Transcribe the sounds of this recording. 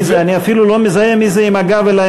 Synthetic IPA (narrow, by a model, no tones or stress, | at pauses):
zaniafilulɔmizajɛmizɛimaɡaβɛla